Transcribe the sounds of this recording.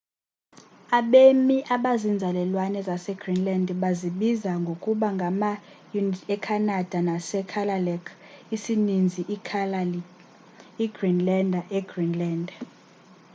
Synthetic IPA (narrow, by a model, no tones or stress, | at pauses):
aɓemiʔaɓazind͡zʱalɛlwanɛzasɛɡ̥rinlandɓaziɓizaŋɡʱokʼuɓaŋɡʱama | junɛkʰanad̥ʱanasɛkʰalalɛkʰ | isinind͡zʱiʔ | iɡ̥rinlɛndʱɛɡ̥rinlɛːnd